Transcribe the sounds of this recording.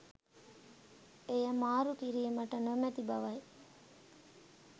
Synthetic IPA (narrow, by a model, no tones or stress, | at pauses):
ejəmaːɾukiɾiːmɐʈənomæt̪ibɐʋɐj